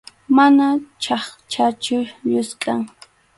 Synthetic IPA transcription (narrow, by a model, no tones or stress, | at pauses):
manat͡ʃɑχt͡ʃʰat͡ʃʊʎʊskʼaŋ